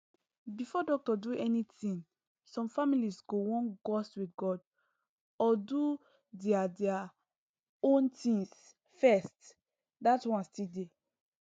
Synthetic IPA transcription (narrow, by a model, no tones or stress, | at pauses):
bifɔdɔk̚tɔduʔɛnitĩn | sɔ̃mfamilisɡowɔ̃nɡɔstwitɡɔd | ɔdu | dɛadɛa | õntĩŋs | fɛst | datwãnstide